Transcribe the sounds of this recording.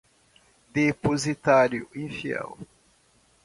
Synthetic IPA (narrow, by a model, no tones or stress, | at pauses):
d̪epozit̪aɾjʊĩfiɛ̰w